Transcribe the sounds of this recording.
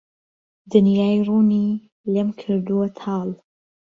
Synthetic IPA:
d̪ɨnjaːjruːni | lemkʰɨɾd̪uwɐt̪ʰɑːl

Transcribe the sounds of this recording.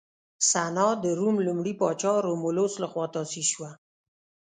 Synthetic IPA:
sanɑd̪əɾumlumɽipɑt͡ʃɑɾomʊloslaxwɑt̪ɑsiʃwa

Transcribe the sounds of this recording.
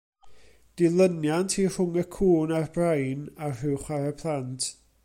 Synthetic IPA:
d̥ɪlˠənjantʰir̥ʊŋəkʰuːnarbrajnarrɪwχwaɾəpʰlˠantʰ

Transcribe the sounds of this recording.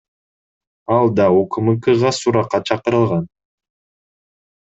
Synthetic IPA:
ɑlˠd̪ɑokɯmɯkɯʁɑsuɾɑqːɑt͡ʃʰɑqɯɾɯlˠʁɑn

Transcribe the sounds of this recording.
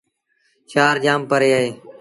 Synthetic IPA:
ʃaːɾd͡ʒaːmpəɾeːaːɦeː

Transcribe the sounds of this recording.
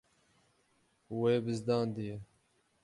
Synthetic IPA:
webɪzd̪ɑːnd̪ije

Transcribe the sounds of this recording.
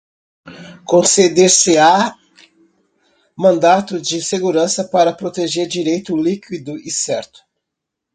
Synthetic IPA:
kõsed̪eɾsɪa | mɐ̃nd̪at̪ʊd͡ʒɪseɡuɾɐ̃sɐpaɾɐpɾot̪eʒeɾd͡ʒiɾejt̪ʊlikwid̪ʊʔɪsɛɾt̪ʊ̥

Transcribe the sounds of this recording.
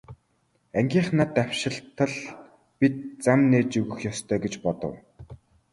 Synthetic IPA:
æŋɡʲiːɴχnaːt̪awʃɪ̆ɬt̪ə̆ɮ | pit̪̚t͡samneːt͡ɕɵɣɘ̆xjɔst̪ʰœːɡet͡ɕpɔt̪ɞ̰̆w

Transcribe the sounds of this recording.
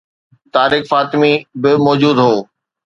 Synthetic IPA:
t̪aːɾɪːkfaːt̪ɪmibɪmɔːd͡ʑuːd̪ɦoː

